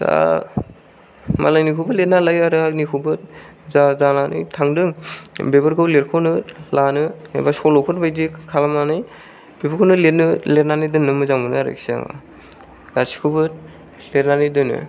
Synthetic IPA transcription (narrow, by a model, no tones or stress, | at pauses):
sa̰ | mʔa̰lajnikʰubɯlet̚nalajaɾɯanikʰubɯt̚ | zazalanʔɯ̰jtʰaŋdɯŋbebɯɾkʰɯwleɾkʰonɯlanɯḛbasɔlɔpʰɯnbajdikʰalamanɯj | b̥ebɯɾkʰownɯlet̚nɯletnanɯjdɯnːɯmɯzaŋbɯnɯaɾɯ̰ksia̰ŋa̰ | ɡasi̥kʰubɯt̚ | letnanɯdɯnːɯ̰